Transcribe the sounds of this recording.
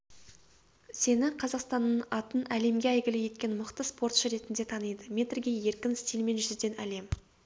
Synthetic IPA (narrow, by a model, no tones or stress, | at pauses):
se̞nɪqʰɑzɑqst̪ɑnːənɑt̪ənæle̞mɡʲeæjɡʲɪlɪje̞t̪kʲe̞nməqt̪əspo̞rt̪ʃəɾe̞t̪ɪnd̪e̞t̪ʰɑnəjd̪əmʲe̞t̪rɡʲe̞je̞ɾkʲɪnst̪ilme̞nʒʏzd̪e̞næle̞m